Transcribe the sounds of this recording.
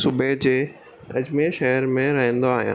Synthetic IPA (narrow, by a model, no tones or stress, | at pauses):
subʱed͡ʑeː | ɐd͡ʑmeʃɐɦəɾmẽɾɐɦə̃n̆d̪oaːɦijã̰ː